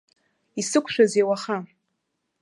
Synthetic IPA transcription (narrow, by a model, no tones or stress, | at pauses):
isɨkʷʰʃᶣazewaχa